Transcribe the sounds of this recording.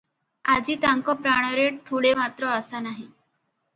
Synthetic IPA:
ad͡ʑiːt̪ãŋkɔpɾaɽ̃əɾeʈ̚ʈ̪ʰuɽemat̪ɾɔəsanaɦi

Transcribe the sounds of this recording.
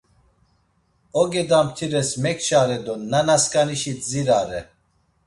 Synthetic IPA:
ɔɡɛd̪amt̪ʰiɾɛsmɛkʰt͡ʃaɾɛd̪ɔnanaskʼaniʃiziɾaɾɛ

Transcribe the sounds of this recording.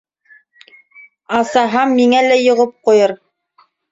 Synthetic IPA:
ɑsɑɦɑmːiŋælæjŏʁɤp̚qujɤɾ

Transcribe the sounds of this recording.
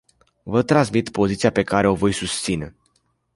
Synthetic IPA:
vət̪ɾansmit̪po̞zit̪siape̞kaɾe̞o̞vo̞jsust̪sine̞̰

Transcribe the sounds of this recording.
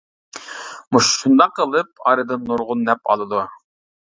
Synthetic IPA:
muʃʃund̪ɑqːəlˠɨp̚ɑɾɨd̪ɨnːuɾʁʊnːɛpɑ̰lˠɨd̪u

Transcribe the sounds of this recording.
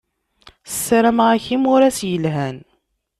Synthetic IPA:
sə̥sːaɾæmʁaçimʊɾæsjəlɦæn

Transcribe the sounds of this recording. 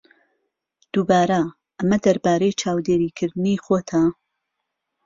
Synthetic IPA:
d̪̥ubaːɾɐ | ʔɐmɐd̪ɐɾbaːɾejt͡ʃʰaːwd̪eːɾiːkʰɨɾd̪ɨniːxoːt̪ʰa

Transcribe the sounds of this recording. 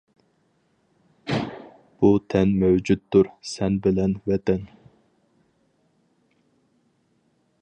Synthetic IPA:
b̥ut̪ʰɛnmæwd͡ʒut̪ːʊɾsɛnbɪlɛnvɛt̪ʰɛn

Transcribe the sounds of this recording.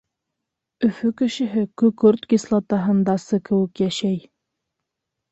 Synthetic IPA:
ɵ̆fɵkɘ̆ʃɘ̆ɦɘkɵkɵɾt̪ɡislˠɑt̪ɑɦɤ̆nd̪ɑsɤkɘ̆wɘkjæʃæj

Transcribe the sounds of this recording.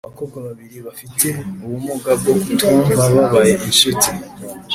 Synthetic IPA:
aβako̞ɡwaβaβiɾiβafitʰe̞uβumuɡab̚ɡokutaβaβaβajeʔinʃuti

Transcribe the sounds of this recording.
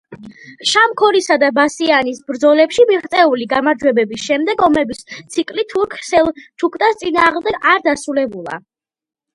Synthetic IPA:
ʃamkʰɔɾisad̪abasianisbɾd̪zɔlɛpʃimiχt̪sʼɛuliɡamaɾd͡ʒwɛbɛbisʃɛmd̪ɛɡɔmɛbist̪sʰikʼlit̪ʰuɾkʰsɛlˠt͡ʃʰukʰt̪ʼast̪sʼinaːʁmd̪ɛɡaɾd̪asɾulɛbulˠa̰

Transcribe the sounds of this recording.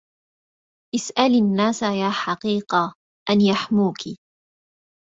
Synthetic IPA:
ʔɪsʔalnːaːsajaːħɑqiːqa | ʔanjaħmuːki

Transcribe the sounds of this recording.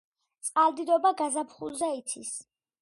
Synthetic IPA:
t̪sʼqʼald̪id̪ɔbaɡazapʰχṵlˠzɛit̪sʰis

